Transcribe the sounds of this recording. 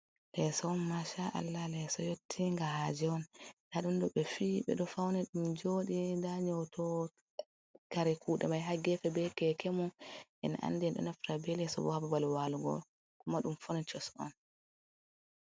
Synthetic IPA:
lɛsɔnmaʃaʔa̰lːalɛsɔjotʰːiŋɡahad͡ʒɛɔnnaɗumdɔɓɛfiɓɛ̰ɗɔfawnɛɗumd͡ʒoːɗindaɲɔwtʰɔ | kaɾɛkʰuːɗɛmajɦaɡɛfɛbɛkɛkɛmɔʔɛ̰na̰ʔa̰nːdɛɗɔ̰nafɾabɛlɛsɔ̰bɔhababalwaluɡɔ̰l | kɔmaɗumfɔnɛt͡ʃɛsɔ̰n

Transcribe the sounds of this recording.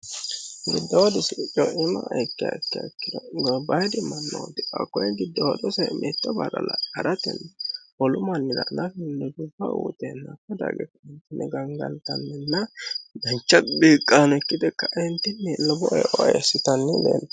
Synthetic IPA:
ɡɪd̪ːɐwɔd̪ɪsɪt͡ʃʼːɔʔɪmɐʔjkːɪa̰kːɪakːɪd̪ɔɡbɐjd̪ɪmːɐnːɔwɔd̪ɪʔɐ̰kːɔjɡɪd̪ːɔwɔd̪ɔsɛmʔɛːt̪ːɐbɐɾɐ̰lahɐ̰ɾɐt̪ɛ̰nːhɔlʊmɐnːɛdɐ̰nɐfɪnːɛd̪ufɐ̰ṵːt̪ɛnːɐkːɐd̪a̰ːɡɛkːɐɪnt̪ːɪnːɛɡɐŋɡɐ̰nt̪ɐnːɛnːɐd̪ɐnt͡ʃːɐbiːkʼːaːnɛkːɪd̪ɛkːɐʔɪnt̪ːɪnːɛlɔbɔʔɛjʔɔɛ̰sːɪt̪ɐnːɛlḛːl

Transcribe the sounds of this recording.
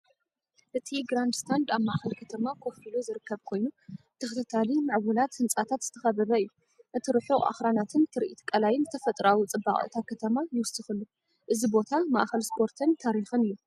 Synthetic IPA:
ʔɨt̪ʰiɡɾand̪st̪ʰand̪aβmaʔxɐlkʰɐt̪ʰɐmakʰo̞filozɨɾɨkʰːɐβkʰo̞jnu | t̪ʰɐxɨt̪ʰɐt̪ʰalimaʕwʊlat̪hɨnt͡sʼat̪ʰat̪zɨ̥t̪ʰɐxɐβɐβɐɨjːu | ʔɨt̪ʰɨɾɨħuʔa̰xɾanat̪ʰɨnt̪ʰɨɾʔit̪kʼɐlajɪnzɨt̪ʰɐfɐt̪ʼɾawut͡sʼɨbːaχʼɨ̰t̪ʰakʰɐt̪ʰɐmajɪwʊsɨxɨlːu | ʔɨzibo̞t̪ʰama̰ʔxɐlspʰo̞ɾt̪ʰɨnt̪ʰaɾixɨnɨjːu

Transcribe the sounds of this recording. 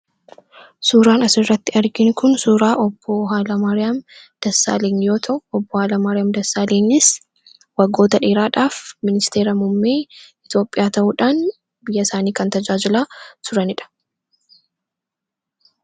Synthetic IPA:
suːɾaːnɐsɪrːɐt̪ːɪɐɾɡɪnʊkʊnsuːɾaːʔɔb̥ːoːɦaːlɐmɐɾɪɐm | d̪̥ɐsːa̰ːleːɲjo̞ːt̪ʰɐʔʊɔbːoːhaːlɐmaɾɪɐmd̪ɐsːaːleːɲːɪs | wɐɡːo̞ːt̪ɐᶑeːɾaːᶑaːfmɪnɪst̪eːɾɐmʊmːeːɪt̪jo̞ːpʼɪjaːt̪ɐʔuᶑaːn | bɪjːɐsaːniːkɐnt̪ɐd͡ʒaːd͡ʒɪlaːt̪ʊɾɐnɪᶑɐ̥

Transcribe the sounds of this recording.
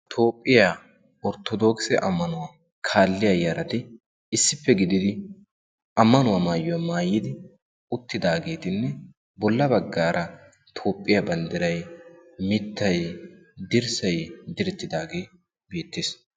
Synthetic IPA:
t̪ʰo̞ːpʼːɪja | ɔɾt̪ɔd̪oːksɛʔɐmːɐnʊwaː | kʰaːlːɪjɐjɐɾɐt̪ɪ | ɪsːɪpːɛɡɪd̪ɪd̪ɪ | ʔɐmːɐnʊwamaːjɔjmaːjːɪd̪ɪ | ʊt̪ːɪd̪aːɡe̞ːt̪ɪnːɛ | bɔlːɐbɐɡːaːɾʔɐ | t̪ʰo̞ːpʼːɪjɐbɐnd̪ɪɾɐjmɪt̪ːɐj | d̪ɪɾsɐjd̪ɪɾɛt̪ːɪd̪aːɡe̞ː | beːt̪ːeːs

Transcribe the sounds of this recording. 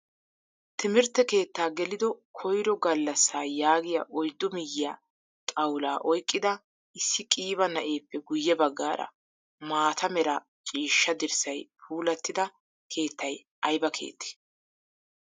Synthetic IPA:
t̪ʰɪmɪɾt̪ːɛke̞ːt̪ːaːɡɛlɪd̪ɔkʰɔjɾɔɡɐlːɐsːaːjaːɡɪjɐʔɔjd̪ːɔmɪjːɪjaː | t̪ʼɐwlaːʔɔjkʼːɪd̪ɐ | ʔɪsːɪkʼiːβɐnɐʔe̞ːpːɛɡʊjːɛbɐɡːa̰ːɾɐ̰ | maːt̪ʰɐmɛɾɐ | t͡ʃʼiːʃːɐd̪ɪɾsɐjpʰuːlɐt̪ːɪd̪ɐ | kʰe̞ːt̪ːɐj | ʔɐjbɐkʰe̞̰ːt̪ːe̥

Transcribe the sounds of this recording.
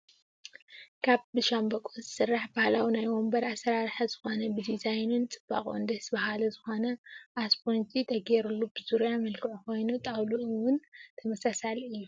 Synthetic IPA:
kʰaβbɨʃambɐkʼuzɨsɨrːaħbahlawinajwombɐɾasɐɾaɾħazɨxo̞nɐbɨd̪izajnunt͡sʼɨb̥ːa̰kʼuɨnd̪ɐsbahalɐzɨxo̞nɐʔaspont͡ʃʼit̪ʰɐɡɛɾulːubɨzuɾjamɐlkʰɨʕukʰo̞jnut̪ʼawluʔwʊnt̪ʰɐmɐsasalɨjːu

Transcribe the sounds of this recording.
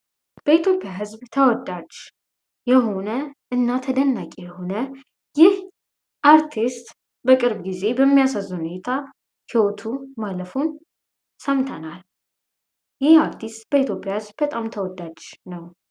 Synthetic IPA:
b̥əit̪jo̞pʼːjaɦɨzbt̪ʰəwɔd̪ːad͡ʒ | jɛɦo̞nəʔɨnːat̪ʰəd̪ənːakʼejɛho̞nə | jɪh | ʔaɾt̪ʰist̪ | bəkʼɨɾbɡize̞bəmːijasazːuhunet̪ʰa | hiwo̞t̪ʰumaləfun | səmt̪ʰənal | jɪhaɾt̪ʰist̪ʼb̥əit̪ʰjo̞pʼjahɨzbbət̪ʼamt̪ʰəwɔd̪ːad͡ʒnəw

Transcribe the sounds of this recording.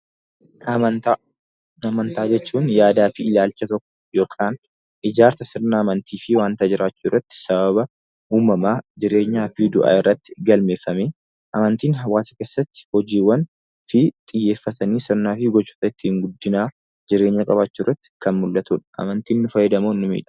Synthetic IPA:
ɐmɐnt̪aːd͡ʒɛt͡ʃːuːnjaːd̪aːfɪɪlaːlt͡ʃːɐt̪ɔkːɔ̥jo̞ːkʰʼaːn | ʔɪd͡ʒaːɾt̪ɐsɪɾnaːmɐnt̪ʰiːfɪwaːnt̪ad͡ʒɪɾaːt͡ʃːuːrːɐt̪ːɪ̥sɐbɐβɐ | uːmɐmaːd͡ʒɪɾe̞ːɲːaːfɪd̪ʊʔa̰ːɪrːɐt̪ːɪ̥ɡɐlme̞ːfːɐmeː | ʔɐmɐnt̪iːnɦɐwaːsɐkeːsːɐt̪ːɪ̥hɔd͡ʒiːwːɐn | fɪt̪ʼɪjːe̞ːfːɐt̪ɐniːsɪɾnaːfɪɡɔt͡ʃːu̥ːt̪ɐɪt̪ːɪhɪŋɡʊd̪ːɪnaː | d͡ʒɪɾe̞ːɲːɐkʼɐbaːt͡ʃːuːrːɐt̪ːɪ̥kɐnmʊlːɐt̪uːᶑɐ̥ʔɐ̰mɐnt̪iːnːʊfɐjːɛd̪ɐmonːʊmḭːᶑɐ̥

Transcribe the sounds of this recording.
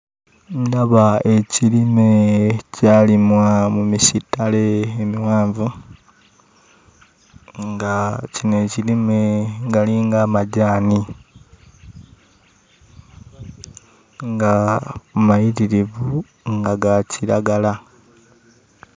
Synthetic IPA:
ɲdaβae̞cilime̞caːlimwamumisitːaleːmiwaːɱvu | ŋɡacine̞ːcilime̞ɡaliːŋɡaːmaɟaːni | ŋɡamajitiɾivu | ŋɡaɡacilaɡala

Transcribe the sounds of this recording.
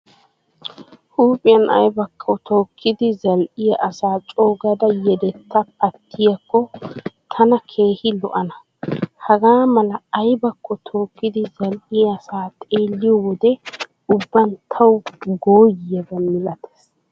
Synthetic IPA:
huːpʼɪjɐnʔɐ̰jbɐkʰʼːɔt̪ʰo̞ːkʰːɪd̪ɪzɐlʔɪjɐʔɐsaːt͡ʃʼo̞ːɡɐd̪ɐjɛd̪ɛt̪ːɐpʰɐt̪ːɪjɐkːɔt̪ʰɐnɐkʰe̞ːhɪlɔ̰ʔɐnɐ | hɐɡaːmɐlɐːjbɐkʰːɔt̪ʰoːkːɪd̪ɪzɐlʔɪjɐːsaːt̪ʼeːlːɪjɔwɔd̪ɛ | ʊbːɐnt̪ʰɐwɡoːjɪjɐɡɐmɪlɐt̪ʰɛ̥s

